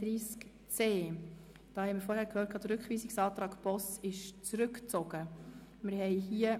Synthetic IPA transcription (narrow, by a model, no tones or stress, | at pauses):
ɾiːsk | t͡seː | d̥ɑːhɛɪmɪɾfɔɾhæːɾkʰhøːt̚kʰɑːd̥̪əɾʉkχʋiːsɪksɑːtɾɑːkpɔsɪʃt͡sɾʉkt͡sɔɡ̥ə | mɪɾɦɛɪɦiːə